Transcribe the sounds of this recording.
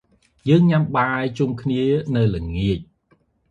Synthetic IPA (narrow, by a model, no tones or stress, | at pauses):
jəːŋɲamɓaːjt͡ɕumkʰniənɨwlɨŋiəc̚